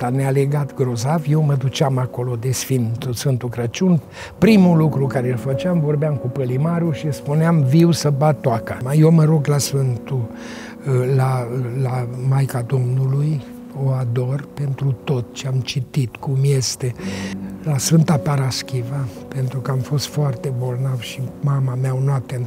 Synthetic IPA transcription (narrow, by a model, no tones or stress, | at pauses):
t̪aneale̞ɡat̪ɡɾo̞zavjewməd̪ut͡ʃamako̞lo̞d̪e̞sfɨnt̪usfɨnt̪ukɾət͡ʃun | pɾimulukɾukaɾelfət͡ʃeamvo̞rbeamkupəlimaɾuʃispuneamviwsəbat̪ːoakəmajewməɾo̞ɡlasfɨnt̪u | lalamajkad̪o̞mnuluj | o̞ad̪o̞rpe̞nt̪ɾut̪o̞t̪t͡ʃeamt͡ʃit̪it̪kumje̞st̪e̞ | lasfɨnt̪apaɾaskʲivəpe̞nt̪ɾukəamfo̞st̪foart̪e̞bornavʃimamameaonoap̚t̪en